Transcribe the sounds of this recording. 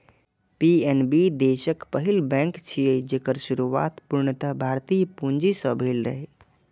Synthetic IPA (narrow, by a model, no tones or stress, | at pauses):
piːɛnbid̪eːʃəkpəɦɪlbɛ̃ːŋkt͡ʃʰijed͡ʒeːkəɾʃʊɾuʋa̰ːt̪pʊɾɳət̪əbʱaːɾt̪iːjpũɲd͡ʒisəbʱeːlɾə̰ɦeː